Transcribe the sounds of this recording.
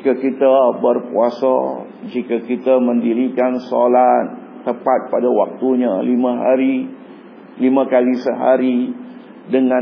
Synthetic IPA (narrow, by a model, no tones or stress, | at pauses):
kakit̪abərpuasa | d͡ʒikakit̪amə̃ndiɾikanso̰lat̪̚ː | əpat̪̚padawa̰k̚t̪uɲalimãɦa̰ɾi | limãkalisəɦa̰ɾi | dəŋã